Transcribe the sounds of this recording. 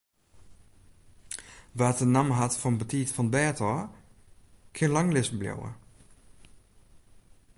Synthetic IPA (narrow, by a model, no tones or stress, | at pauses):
ʋaːtənamɦatfɔnbətʰiːtfɔnbɛːtʰɔ | kʰɪənlaŋlɪsbljo̰wə̰